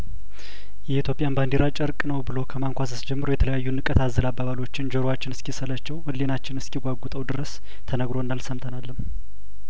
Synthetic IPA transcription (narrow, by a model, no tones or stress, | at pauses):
jɛit̪ʰjo̞pʼijanband̪eɾat͡ʃʼəɾkʼnəwbɨlo̞kʰəmaŋkʷas̬əsd͡ʒɛmːɨɾojɛt̪ʰələjajːunːɨkʼːət̪ʰazːəlabaβalo̞t͡ʃːɪnd͡ʒəɾowat͡ʃːɪnɨskisəlat͡ʃːɛwɨlːenat͡ʃːɪnɨskʰiɡʷaɡʷut̪ʼəwd̪ɨɾəs | t̪ʰənəɡɾo̞ɨnːalsəmt̪ʰənalːɨm